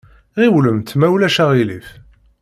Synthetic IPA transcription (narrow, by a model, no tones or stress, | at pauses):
ʁiwləmt̪mæwlæʃæʁilḭf